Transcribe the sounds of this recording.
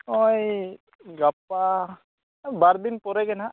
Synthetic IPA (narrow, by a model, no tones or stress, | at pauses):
oj | ɡap̚ːa | baɾd̪inpɔɾɛɡɛna